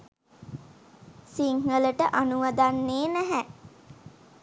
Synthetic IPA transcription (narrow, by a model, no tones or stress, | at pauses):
siŋələʈəʔanuʋad̪anːeːnæɦæ